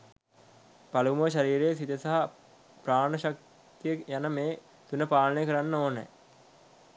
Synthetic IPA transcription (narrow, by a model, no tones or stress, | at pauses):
paluməʋʃaɾiːɾejəs̬it̪esaɦa | praːnəʃak̚ | t̪ijəjanəmeː | t̪unəpaːlənəjəkəɾanːəoːnə̰